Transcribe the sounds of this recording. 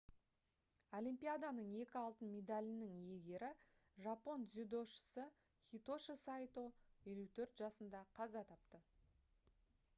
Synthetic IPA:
o̞lʲijmpʲijad̪ɑnəɴe̞kʲɪɑlˠt̪ənmʲe̞d̪alʲɪnɪŋje̞ɡʲe̞ɾɪ | ʒɑpo̞nzʲyd̪o̞ʃə̥sə | χʲit̪o̞ʃəsɑjt̪oe̞lut̪ʰɵɾt̪ʒ̥ɑsənd̪ɑqʰɑzɑt̪ʰɑp̚t̪ə

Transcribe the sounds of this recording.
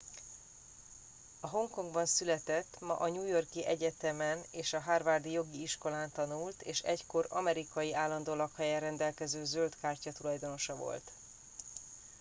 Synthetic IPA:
ɒɦo̞ŋko̞ŋɡbɒnsylɛt̪ɛt̪ːmɒ̰ʔɒɲuːjo̞rkiʔɛɟɛt̪ɛmɛneːʃɒɦaːrvaːrd̪ijo̞ɡiiʃko̞laːnt̪ɒnult̪ḛːʃɛ̰cko̞ɾɒ̰mɛɾikɒjiʔaːlːɒnd̪oːlɒkhɛjɛɾɛnd̪ɛlkɛzøːzølt̪kaːrcɒt̪ulɒjd̪o̞no̞ʃɒvo̞̰lt̪

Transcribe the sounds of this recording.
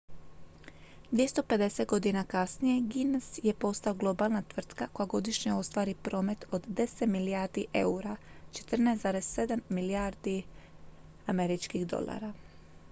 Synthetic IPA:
d̪ʋjest̪o̞pe̞d̪e̞se̞t̪̚ɡo̞d̪inakasnije̞ɡinsje̞po̞st̪aoɡlˠo̞balnat̪ʋr̩t̪kako̞jaɡo̞d̪iʃɲeo̞st̪ʋaːɾipɾo̞ːme̞t̪o̞d̪d̪e̞set̪milijaːɾd̪iʔe̞uɾat͡ʃe̞̥t̪r̩najszaːɾessːe̞d̪amːiliaːɾd̪i | ame̞ɾit͡ʃkiɣd̪o̞̰lˠa̰ːɾa

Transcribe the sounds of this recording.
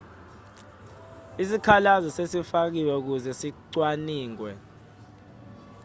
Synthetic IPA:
isikʰalazɔsesifak̬iwɛuk̬uzɛsiǀwaniːŋwɛ

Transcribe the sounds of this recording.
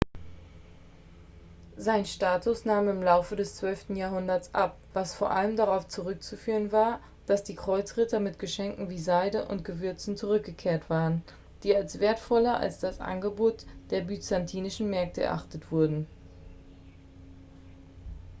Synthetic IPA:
zaɪnʃtaːtʊsnaːmɪmlaʊfədɛst͡sv̥œlftn̩jaːɐɦʊndɐt͡sʔa̰p̚ | v̥asfoːɐʔaləmdaʁaʊft͡suʁʏk̚t͡sufyːʁənvaːɐ | d̥asd̥iːkʁ̥ɔʏt͡sʁɪtʰɐmɪtɡ̥əʃɛŋkŋ̩viːzaɪdəʔʊ̰ntɡ̥əvʏɐt͡sn̩t͡suʁʏk̚ɡ̥əkʰeːɐtv̥aːʁən | d̥iːalsv̥eːɐtfɔlɐʔa̰lsd̥asʔa̰nɡəboːtd̥eːɐbyt͡santʰiːnɪʃn̩mɛɐk̚tʰəɛ̰ɐʔa̰χtətv̥ʊɐdn̩

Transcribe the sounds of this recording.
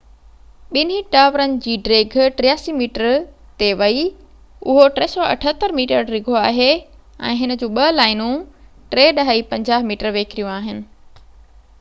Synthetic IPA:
ɓɪniʈaːʋɾənɪ̆d͡ʑiːɖɾeːɡʱʈɾɪjaːsimiːʈəɾt̪eʋɐi | ʊɦoʈɾeːsɔːɐ̰ʈʰət̪əɾmiːʈəɾɾɪɡʱoaːɦe | ɛ̰̃ːɦɪnə̆d͡ʑõːɓɐlaːɪnũʈɾeːɗɐɦaipɐ̃ɲd͡ʑaːɦmiːʈəɾʋeːkɪɾijũaːɦɪnɪ̆

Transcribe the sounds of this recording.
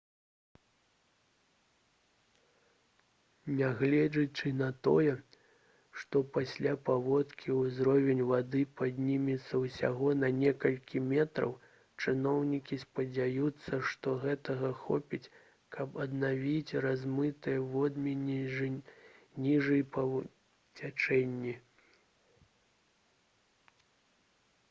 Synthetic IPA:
nʲaɣlʲɛd͡ʒɐt͡ʂɨnɐt̪ɔjɛ | ʂt̪ɔpasʲlʲapavɔt̪kʲiuzɾɔvʲɛnʲvad̪ɨpad̪ʲnʲimʲit̪sːɐwsʲa̰ɣɔnɐnʲɛkɐlʲkʲimʲɛt̪ɾɐ̰w | t͡ʂɨnɔwnʲikʲispɐd͡zʲajut̪sːɐʂt̪ɔɣɛt̪ɐɣɐxɔ̰pʲit͡sʲ | kʰɐpɐd̪navʲit͡sʲrazmɨt̪ɨjɛvɔd̪mʲinʲi | nʲiʐɨjpɐ | t͡sʲat͡ʂɛnʲːi

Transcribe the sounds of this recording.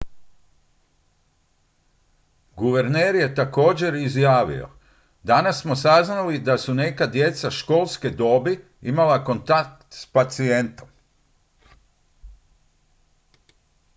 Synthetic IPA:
ɡuʋe̞ɾneːɾje̞t̪ako̞ːd͡ʑe̞ɾizjaːʋḭo̰ | d̪anasːmo̞saznalid̪asune̞kad̪je̞t̪saʃko̞ːlˠsked̪o̞ːbi | imalako̞nt̪ak̚t̪t̪spat̪sie̞nt̪o̞m

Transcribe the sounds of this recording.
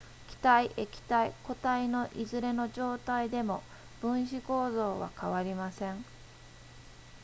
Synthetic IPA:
kʲi̥t̪aiʔekʲi̥t̪aiko̞t̪aino̞ʔizɨɾe̞no̞ʑo̞ːt̪aid̪e̞mo̞ | b̥ɯ̟̃ɰ̃ɕiko̞ːzo̞ːβa̰kaβaɾʲimasẽ̞ɴ

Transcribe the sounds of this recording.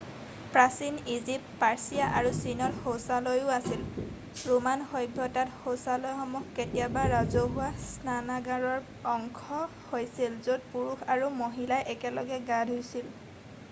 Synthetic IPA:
pɹasinizip̚paɹsijaʔaɹusinɔtxowsalojʊasil | ɹumanxɔjbʱɔtatxowsalɔjxɔmukkːetijabaɹazoɦʊwasnanaɡaɹɔɹ | ɔŋkʰɔ | hojsilzod̚puɹuxʰaɹumoɦilajʔɛkɛlɔɡɛɡadʱɦojsil

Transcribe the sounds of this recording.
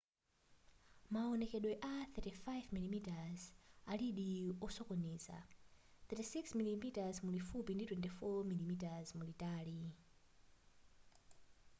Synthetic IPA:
maɔnɛkɛɗwɛʔaθɛtifajvmilimitazaliɗiɔsɔkɔniːza̰θɛtisiksmilimitazmulifupinditwɛntifɔmilimitazmulitaːli

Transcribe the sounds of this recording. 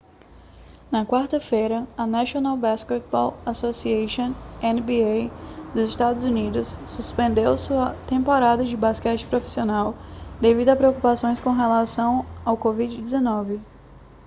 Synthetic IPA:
nɐkwaɾt̪ɐfejɾɐɐnaʃionawbasket̪̚bɔlasosieʃõẽnbiejd̪ʊzɪʃt̪ad̪ʊzunid̪ʊsːuspẽnd̪ewsuɐt̪ẽmpoɾad̪ɐd͡ʒɪbaskɛt͡ʃɪ̥pɾofi̥sionawd̪evid̪ʊɐpɾeokupasõj̃skõɦelasɐ̃w̃awkovid͡ʒɪd͡ʒɪzenɔvɪ

